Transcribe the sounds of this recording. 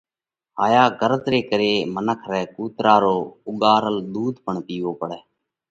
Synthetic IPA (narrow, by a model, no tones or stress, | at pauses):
ɦaːjaːɡəɾət̪ɾeːkəɾeːmənəkʰɾɛːkuːt̪ɾaːɾoːʊɠaːɾəld̪uːd̪ʱpəɳpiːʋoːpəɽɛː